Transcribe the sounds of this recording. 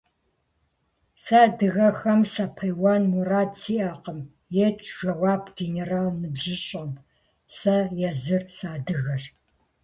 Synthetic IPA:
sadɨɣɐxɐmsɐpʰɐjwaːnmuraːdsiːʔɐqəm | jet͡ʃʰʼʒ̥ʷɐwaːpʰɡ̥eneraːlnɨbʒɪɕʼɐm | sɐjɛzɨrsaːdɨɣɐɕ

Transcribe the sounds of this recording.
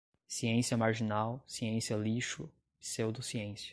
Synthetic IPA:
siẽsiɐmaɾʒinawsiẽsiɐliʃʊ | sewd̪ʊsiẽsiɐ̥

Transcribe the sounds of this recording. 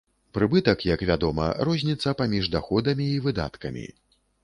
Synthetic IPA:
pɾɨbɨt̪ɐkjɐkvʲad̪ɔmɐ̰ɾɔzʲnʲit̪sːɐpamʲiʐd̪axɔd̪ɐmʲiːvɨd̪a̰t̪kɐmʲḭ

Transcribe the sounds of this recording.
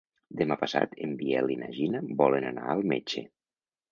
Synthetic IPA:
d̪emapəsa̰t̪embiɛlinaʒinəbɔlenana̰əlˠmet͡ʃe

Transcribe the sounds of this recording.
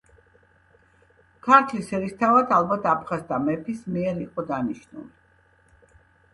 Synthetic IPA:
kʰaɾt̪ʰlisɛɾist̪ʰavad̪alˠbat̪ʰapʰχazt̪ʰamɛpʰismiɛɾiqʼɔd̪aniʃnṵli

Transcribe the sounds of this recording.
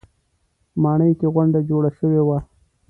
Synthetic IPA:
mɑɳəjkeɣʊɳɖad͡ʒoɽaʃəwewa

